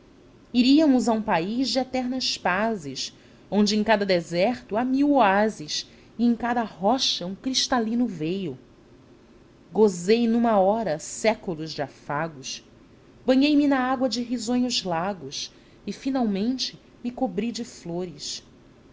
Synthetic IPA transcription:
iɾiɐmʊzɐũpaiʒd͡ʒɪet̪ɛɾnɐʃpazɪs | õnd͡ʒɪẽj̃kad̪ɐd̪ezɛχt̪ʊamiwoazɪs | ɪẽkad̪ɐhɔʃɐũkɾiʃt̪alĩnʊvejʊ | ɡozejnũmɐɔɾɐsɛkulʊzd͡ʒɪafaɡʊs | bɐ̃ɲejmɪnɐaɡwɐd͡ʒɪɦizõɲʊzlaɡʊs | ɪfinawmẽnt͡ʃɪ | mɪkobɾid͡ʒɪfloɾɪʃ

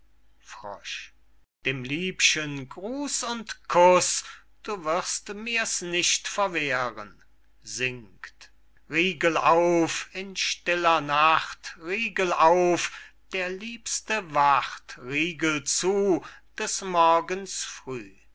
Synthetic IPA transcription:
fʁ̥ɔ̰ʃ | d̥eːmliːpʃənɡʁuːsʊntkʰʊs | d̥uːvɪʁstmiːɐsnɪʃtfɛɐveːʁən | zɪŋkt | ʁiːɡəlaʊfɪnʃtɪlɐnaχtʁiːɡəlaʊfd̥eːɐliːpstəvaχtʁiːɡəlt͡suːd̥ɛsmɔɐɡənsfʁ̥yː

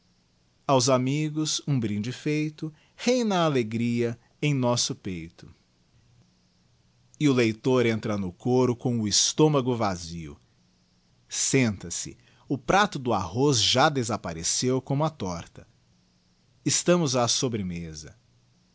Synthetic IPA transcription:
awzamiɡʊzũbɾĩd͡ʒɪfejt̪ʊ | hẽj̃nɐːleɡɾiɐ | ẽj̃nɔsʊpejt̪ʊ̥ | ɪʊlejt̪oɾẽnt̪ɾɐnʊkoɾʊkõw̃ʊɪst̪õmɐɡʊvaziʊ̰ | sẽnt̪ɐsɪ̰ | ʊpɾat̪ʊd̪ʊahosʒad̪ezapaɾesewkõmʊɐt̪ɔɾt̪ɐ | ɪst̪ɐ̃mʊzasobɾemezɐ

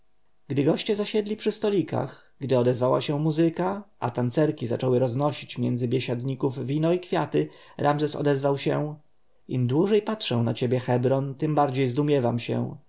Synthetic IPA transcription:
ɡd̪ɘɡɔɕt͡ɕɛzaɕɛd̪lʲipʂɘst̪ɔlʲika̰x | ɡd̪ɘɔd̪ɛzvawa̰ɕɛ̃muzɘkaʔa̰t̪ant̪sɛɾkʲizat͡ʂɔwɘɾɔznɔɕit͡ɕmʲjɛnd̪zɘbʲjeɕad̪ɲikuvvʲinɔikfʲjat̪ɘɾʔamzɛsɔ̰d̪ɛzvawɕɛ | imd̪wuʐɛjpatʂɛw̃nat͡ɕebʲjɛxɛbɾɔnt̪ɘmbaɾd͡ʑejzd̪umʲjɛvamɕɛ̰

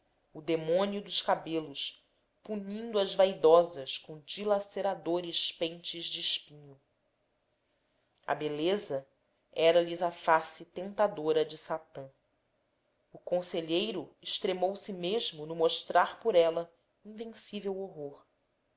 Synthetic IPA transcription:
ʊd̪emõniʊd̪ʊʃkabelʊʃ | puɲĩnd̪uɐzvajd̪ɔzɐʃkõd͡ʒilaseɾad̪oɾɪʃpẽnt͡ʃɪzd͡ʒɪːʃpĩɲʊ | ɐ̰belezɐ | ɛɾɐlizɐfasɪt̪ẽnt̪ad̪oɾɐd͡ʒɪsat̪ɐ̃ | ʊkõseʎejɾʊɪʃt̪ɾemowsɪmeʒmʊnʊmoʃt̪ɾaɾpʊɾɛlɐ | ĩŋvẽŋsivewoɦoɾ

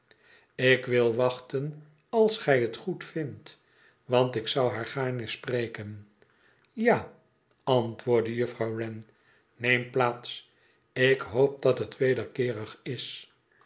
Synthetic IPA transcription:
ɪkʋɪlˠʋɑχtən | ɑlˠsχɛjətχutfɪnt | ʋɑntɪksɑwɦaːɹχaːɹnəsprejkən | jaː | ɑntʋʊːɹdəjɵfrɑwrɛn | nejmplaːts | ɪkɦowp̚dɑtɦətʋejdəɹkɪːʁəχɪs

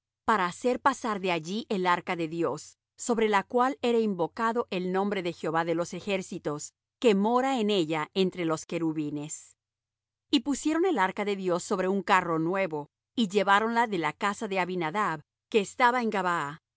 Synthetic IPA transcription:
paɾaːse̞ɾpasaɾðe̞aʝiʔelaɾkaðe̞ðjo̞sː | o̞βɾe̞lakwale̞ɾaimbo̞kaðo̞ʔe̞lnõ̞mbɾe̞ðe̞xjeo̞βaðe̞lo̞se̞xe̞ɾsit̪o̞s | ke̞mo̞ɾaene̞ʝae̞nt̪ɾe̞lo̞ske̞ɾuβine̞s | ipusje̞ɾo̞ne̞laɾkaðe̞ðjo̞sːo̞βɾe̞uŋkaro̞nwe̞βo̞ | iʝe̞βaɾo̞nlaðe̞lakasaðe̞aβinaðaβ | ke̞ːst̪aβaeŋɡaβaa

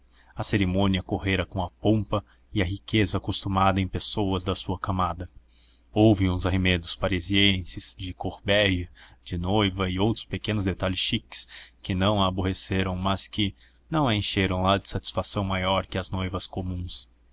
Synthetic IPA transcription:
ɐseɾimõniɐkoɦeɾɐkõw̃ɐpõpɐ | ɪɐɦikezɐːkost̪umad̪ɐẽj̃pesowɐzd̪ɐsuɐkamad̪ɐ | owvɪũzɐɦemẽd̪ʊspaɾeziẽsɪz̥d͡ʒɪkoɾbɛjɐd͡ʒɪnojvɐɪowt̪ɾʊ̥spekẽnʊzd̪et̪alɪsʃikɪ̥skɪnɐ̃w̃ɐːboɦeseɾɐ̃w̃mɐskɪ | nɐ̃w̃ẽʃeɾɐ̃w̃lad͡ʒɪsat͡ʃi̥sfasɐ̃w̃majɔɾkɪɐznojvɐskomũs

